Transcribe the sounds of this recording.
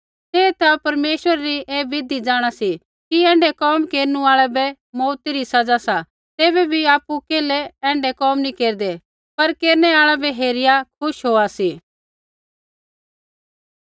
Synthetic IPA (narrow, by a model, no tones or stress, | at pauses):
t̪eːt̪ʰapɐɾmeːʃwəɾaɾieːʋɪd̪id͡zaːɽ̃asi | kiɛ̃ːɳɖɛkɔːmkeːɾnũaːɭɛbɛ | mɔːt̪iɾisɐd͡zasa | t̪eːbɛbʱiaːpukeːlɛɛ̃ːɳɖɛkɔːmnikeːɾd̪ɛ | pɐɾkeːɾnɛaːɭabɛɦeːɾɪjakʰʊʃɦoːasiː